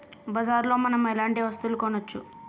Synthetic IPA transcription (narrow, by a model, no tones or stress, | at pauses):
bɐd͡ʒaːɾlo̞ːmɐnɐmɛlaːɳʈiʋɐst̪ulukɔnːɐt͡ʃːu